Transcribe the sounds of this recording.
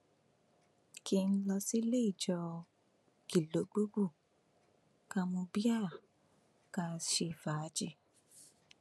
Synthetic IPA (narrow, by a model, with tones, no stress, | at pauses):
ki˧n̩˦lɔ˧si˦le˦i˦˨d͡ʒɔ˧ | ki˨lo˨˦ɡ͡bo˦ɡ͡bu˦˨ | ka˧mũ˧bi˦a˦˨ | ka˧ʃe˧˨fa˨˦d͡ʒe˧